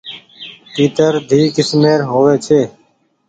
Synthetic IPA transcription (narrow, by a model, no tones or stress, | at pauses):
piːt̪əɾd̪ʱiːkɪsmeːɾɦoːʋeːt͡ʃʰeː